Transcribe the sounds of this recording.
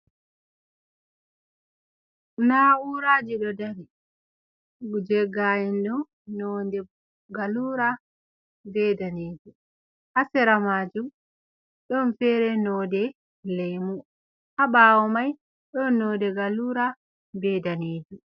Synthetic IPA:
nauɾad͡ʒiɗɔdaɾi | ɡud͡ʒɛɡajɛnɗɔ | nɔndɛ | ɡaluːɾa | bɛdaneːd͡ʒu | ʔasɛɾamaːd͡ʒum | ɗɔnfɛɾɛnɔːdɛ | lejmu | ʔaɓaːwɔmaj | ɗɔnːɔːdɛɡaluːɾa | bɛdaneːd͡ʒu

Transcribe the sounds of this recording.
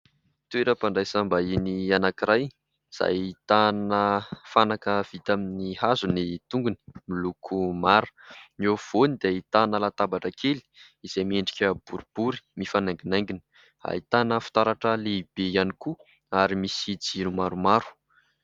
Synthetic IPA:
t̪ueɾəpaɳɖ͡ʐajsambainianakiɾaj | z̥a̰jit̪anəfanakəv̥it̪aminihazunit̪uŋɡuni̥milukʰumaɾu̥nov̥onid̪eit̪anəlat̪abaʈ͡ʂəkʰeli̥ | iz̥ejmieɳɖ͡ʐikʲəb̥uɾib̥uɾi̥mifanaŋɡinaŋɡini̥ | a̰it̪anəfu̥t̪aɾaʈ͡ʂəleb̥ejaniku | aɾimisid͡ziɾumaɾumaɾu̥

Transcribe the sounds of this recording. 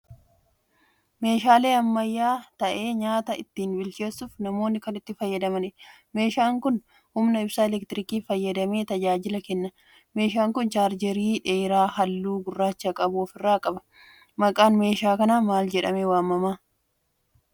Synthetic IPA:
me̞ːʃaːle̞ːɐmːɐjːaːt̪ɐʔe̞ːɲaːt̪ɐɪt̪ːiːnbɪlt͡ʃe̞ːsːʊfnɐmo̞ːnːɪkɐnɪt̪ːɪfɐjːɐd̪ɐmɐnɪ | me̞ːʃaːŋkʊn | hʊmnɐɪbsɐɛlɛkt̪ɪɾɪkiːfɐjːɐd̪ɐme̞ːt̪ɐd͡ʒaːd͡ʒɪlɐkɛnːɐ | me̞ːʃaːŋkʊnt͡ʃaːɾd͡ʒɛɾiːᶑeːɾaːɦɐlːuːɡʊrːaːt͡ʃːɐkʼɐbʊɔfɪrːaːkʼɐbɐ̥ | mɐkʼaːnme̞ːʃaːkɐnaːmaːld͡ʒɛᶑɐmeːwaːmːɐmaː

